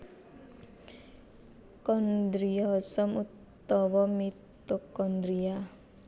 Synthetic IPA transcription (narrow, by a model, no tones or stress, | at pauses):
kɔnd̪ɾiɔsɔmut̪ː | ɔwɔmit̪okɔnd̪ɾia